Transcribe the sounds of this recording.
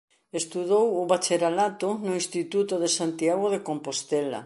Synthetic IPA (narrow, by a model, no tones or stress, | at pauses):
est̪uðowʊβat͡ʃeɾalat̪ʊnoĩnst̪it̪ut̪oðesant̪iaɣoðekompost̪ɛla̰